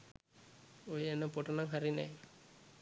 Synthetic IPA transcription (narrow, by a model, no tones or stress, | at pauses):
ojəenəpoʈənaŋɦaɾinɛ̰j